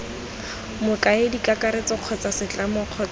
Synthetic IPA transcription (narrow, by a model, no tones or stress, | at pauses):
mʊkaedikakaɾet͡sɔq͡χʰɔt͡sasɪt͡ɬamɔq͡χʰɔt͡s